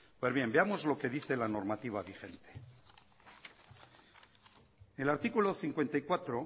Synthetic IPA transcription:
pwe̞zβje̞mbe̞amo̞zlo̞ke̞ðiθelano̞ɾmat̪iβ̞aβixe̞nt̪e̥ | elaɾt̪ikulo̞θiŋkwe̞nt̪aijkwat̪ɾo

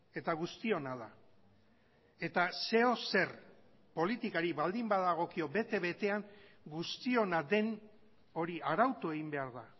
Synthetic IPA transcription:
e̞t̪aɣ̞ust̪io̞naða | e̞t̪ase̞o̞se̞r | po̞lit̪ikaɾiβald̪imbaðaɣ̞o̞kio̞be̞t̪e̞βe̞t̪e̞aŋɡust̪io̞naðe̞n | o̞ɾiaɾawt̪ue̞ɣimbe̞aɾða

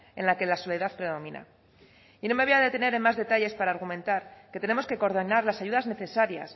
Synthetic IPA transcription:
e̞nlake̞laso̞le̞ðaθpɾe̞ðo̞mĩna̰ | ino̞me̞βeaðet̪e̞ne̞ɾenmazðe̞t̪aʎe̞spaɾaːɾɣumẽ̞nt̪aɾke̞t̪e̞ne̞mo̞ske̞ko̞ɾðonaɾlasaʝuðazne̞θe̞saɾja̰s

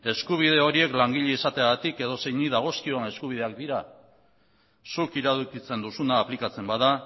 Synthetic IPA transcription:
e̞skuβ̞iðe̞o̞ɾie̞klaŋɡiʎeisat̪eaɣat̪ike̞ðo̞se̞jniðaɣ̞o̞skioene̞skuβ̞ið̞e̞ak̚d̪iɾa | sukiɾaðukit͡se̞nd̪usunaːplikat͡se̞mbaða

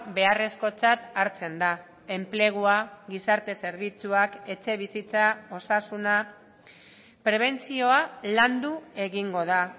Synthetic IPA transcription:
be̞are̞sko̞t͡sat̪aɾt͡se̞nd̪a | e̞mple̞ɣ̞uaɣisaɾt̪e̞se̞ɾβ̞it͡suake̞t͡se̞β̞isit͡sao̞sasuna | pɾe̞β̞e̞nt͡sio̞aland̪ue̞ɣiŋɡo̞ð̞a

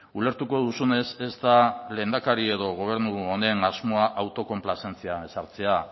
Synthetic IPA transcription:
ule̞ɾt̪uko̞ðusune̞se̞zt̪ale̞ːnd̪akaɾie̞ðo̞ɣ̞o̞β̞e̞ɾnuone̞nazmo̞aʔawt̪o̞ko̞mplase̞nt͡siae̞saɾt͡se̞a

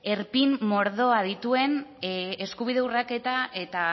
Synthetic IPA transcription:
e̞ɾpimmo̞ɾðo̞að̞it̪ue̞neskuβ̞ið̞e̞urake̞t̪ae̞t̪a

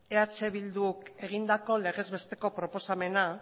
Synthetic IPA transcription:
eat͡se̞βild̪uke̞ɣ̞ind̪ako̞le̞ɣe̞zβe̞st̪e̞ko̞pɾo̞po̞same̞na

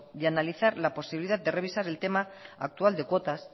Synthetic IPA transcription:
ðeanaliθaɾlapo̞siβiliðad̪̚d̪e̞re̞β̞isaɾe̞lt̪e̞maa̰k̚t̪uald̪e̞kwo̞t̪as

